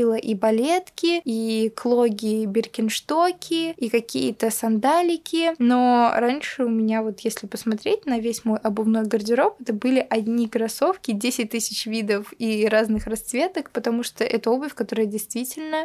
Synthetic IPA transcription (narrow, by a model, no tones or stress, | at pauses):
lˠəʔibɐlʲet̪kʲɪiklˠoɡʲɪbʲɪrkʲɪnʂt̪okʲʰɪikɐkʲḭjət̪əsɐnd̪alʲɪkʲɪno̞ɾanʲʂɨʊmʲɪnʲavo̞t̪jesʲlʲɪpəsmɐt̪ɾʲet̚ʲnɐvʲesʲmo̞jʔɐbɨmnojɡərdʲɪɾo̞pɛt̪əbɨlʲɪʔɐdʲnʲiɡəɾɐso̞fkʲɪdʲesʲɪt̚ʲt̪ɨsʲɪt͡ɕvʲid̪əfiɾaznɨxrɐst̪svʲet̪əkpət̪ɐmuʂt̪oʔɛt̪əo̞bəfʲkɐt̪o̞ɾəjədʲɪjst̪vʲitʲɪlʲnə